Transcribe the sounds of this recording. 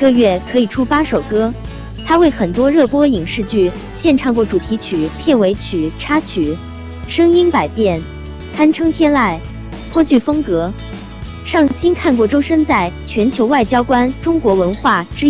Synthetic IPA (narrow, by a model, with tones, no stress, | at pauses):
kɤ˥˧ɥɛ˥˩kʰɤ˧˥i˨˩ʈ͡ʂʰu˥pa˥ʂo˨˩ʊkɤ˥ | t̪ʰa˥we˥˩ɪxə˨˩nt̪wɔ˥ɻɤ˥˩pwɔ˥i˨˩ŋʂɻ̩˥˧t͡ɕy˥˩ | ɕjɛ˥˧nʈ͡ʂʰɑ˥˩˧ŋkwɔ˥˩ʈ͡ʂu˨˩t̪ʰi˧˥t͡ɕʰy˨˩pʰjɛ˥˩nwe˧˥ɪt͡ɕʰy˨˩ʈ͡ʂʰa˥t͡ɕʰy˨˩˦ | ʂɤ˥ŋi˥npa˨˩ɪpjɛ˥˩n | t̪ʰa˥nʈ͡ʂʰɤ˥ŋt̪ʰjɛ˥nla˥˩ɪ | p̪ʰwɔ˥t͡ɕy˥˩fɤ˥ŋkɤ˧˥ | ʂɑ˥˩ŋɕi˥nkʰa˥˧nkwɔ˥˩ʈ͡ʂo˥ʊʂə˥nt͡sa˥˩ɪt͡ɕʰɥɛ˧˥nt͡ɕʰjo˧˥ʊwa˥˩ɪt͡ɕjɑ˥ʊkwa˥nʈ͡ʂʊ˥ŋkwɔ˧˥wə˧˥nxwa˥˩ʈ͡ʂɻ̩˥